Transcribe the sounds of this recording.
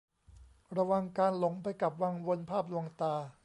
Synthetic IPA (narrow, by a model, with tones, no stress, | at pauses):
ɾa˧wa˧ŋkaː˧nlo˩˦ŋpa˧jka˨˩p̚wa˧ŋwo˧npʰaː˥˩p̚lu˧əŋt̪aː˧